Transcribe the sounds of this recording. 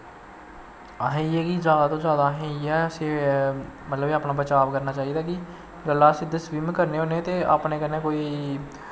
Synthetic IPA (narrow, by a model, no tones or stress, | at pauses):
aɦẽːiɛːkizjaːd̪aːt̪õːzjaːd̪aːɦẽːiɛːəse | mət̪ləbeːaːpnaːbət͡ʃaːʋkəɾnaːt͡ʃaːiːd̪aːki | ɡəlːaːsɪd̪əsʋimkəɾneːɦoːnet̪eːa̰ːpneːkəneːkoːiː